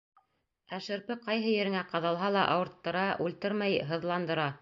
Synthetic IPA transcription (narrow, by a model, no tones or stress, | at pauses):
æʃɘ̆ɾpɘqɑjɦɤjɘ̆ɾɘ̆ŋæqɑðɑlˠɦɑlˠɑʔɑwɤ̆ɾt̪ːɤ̆ɾɑʔʉlt̪ɘɾmæjɦɤ̆ðlˠɑnd̪ɤ̆ɾɑ